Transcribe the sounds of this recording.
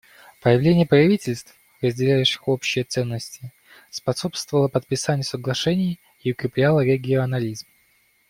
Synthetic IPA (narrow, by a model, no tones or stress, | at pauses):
pəjɪvlʲenʲɪjəpɾɐvʲitʲɪlʲst̪f | rəzʲdʲɪlʲæjʊɕɪ̥xo̞pɕːɪjət̪sɛnːəsʲtʲɪ | spɐso̞pst̪vəlˠəpət̪̚pʲɪsanʲɪjəsəɡlˠɐʂɛnʲɪjː | ʊkɾʲɪplʲalˠəɾʲɪɡʲɪɐnɐlʲizm